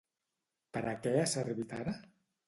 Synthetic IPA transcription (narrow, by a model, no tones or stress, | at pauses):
pəɾʔəkɛəsərβit̪aɾa